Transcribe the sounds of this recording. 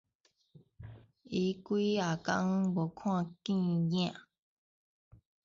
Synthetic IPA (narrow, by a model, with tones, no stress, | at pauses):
i˨˦kʷiː˦a˨kã˧ŋ˦bo˨kʰw̃ã˧kĩ˦˨ɲẽ˦˨a˨